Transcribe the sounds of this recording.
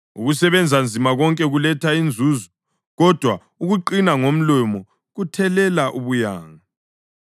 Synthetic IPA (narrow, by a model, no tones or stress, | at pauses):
ṵɣusɛβɛnd͡zʱand͡zʱimaɣɔŋkʼɛɣulɛtʰaind͡zʱuːzɔ | ɣɔd̥ʱwa | uɣuǃinaŋom̩lɛmɔ | ɣutʰɛlɛlaʔuβuja̰ːŋa